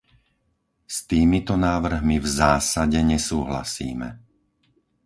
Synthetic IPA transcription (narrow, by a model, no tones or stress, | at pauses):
st̪iːmit̪ɔnaːʋr̩ɦmivzaːsaɟɛɲɛsuːɦla̰sḭːmɛ̰